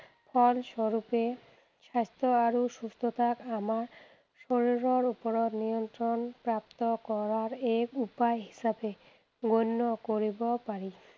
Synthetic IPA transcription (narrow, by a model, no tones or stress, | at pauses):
pʰɔlʃɔɾupe | ʃast̪ʰoaɾuʃust̪ʰot̪ʰakamaɾ | ʃoɾiɾoɾupoɾod̪nijont̪ɾonpɾap̚t̪okɔɾaɾekupajɦi̥ʃabe | ɡojnːokoɾibopaɾi